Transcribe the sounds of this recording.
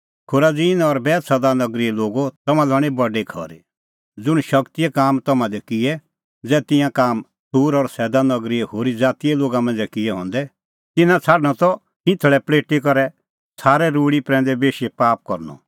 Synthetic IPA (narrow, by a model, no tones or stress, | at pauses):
kʰʊɾad͡ziːnɔɾbɛːt̪sɛːd̪anɐɡɾiɛloːɡot̪ɐmãlɐɽ̃ibɔɖekʰɔ̰ɾe | d͡zʊɽ̃ʃɐkt̪ijɛkaːmt̪ɐmãd̪ɛkɪɛ | d͡zɛːt̪ɪ̃jãkaːm | suːɾɔɾsɛːd̪anɐɡɾiɛhoːɾid͡zaːt̪iɛloːɡamɐ̃nd͡zɛkɪɛɦɔ̃ːnd̪ɛ | t̪ɪnãt͡sʰaːɖñɔt̪ɔ | hɪ̃t̪ʰəɭɛpleːʈikɐɾɛ | t͡sʰaːɾɛɾuːɽipɾɛ̃ːnd̪ɛbeːʃɛpaːp̚kɔɾnɔ̰